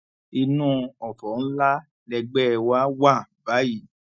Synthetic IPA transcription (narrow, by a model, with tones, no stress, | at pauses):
i˧nũ˦˧ɔ˨tɔ˨˦n̩˦la˦ | lɛ˧ɡ͡bɛ˦˧wa˦wa˦˨ba˨˦ji˦˨